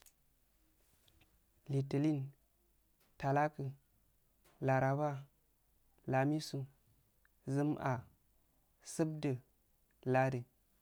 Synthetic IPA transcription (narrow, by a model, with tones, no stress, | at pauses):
li˨tə˨li˦n | ta˨la˦kɨ˨ | la˨ɾa˨ba˦ | la˨mi˦su˨ | zɨ˦mʔa˨ | sɨ˦b̚də˨ | la˦də˨